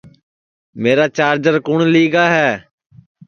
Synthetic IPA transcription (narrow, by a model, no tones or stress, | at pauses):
meːɾaːt͡ʃaːɾd͡ʒəɾkʊɳliːɡaːɦɛː